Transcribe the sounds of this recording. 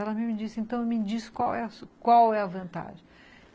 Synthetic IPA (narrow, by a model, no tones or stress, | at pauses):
ɛlɐmɪmɪd͡ʒisẽnt̪ɐ̃w̃emɪd͡ʒisɪ̥kwawɛskwawɛɐvɐ̃nt̪a̰ʒẽj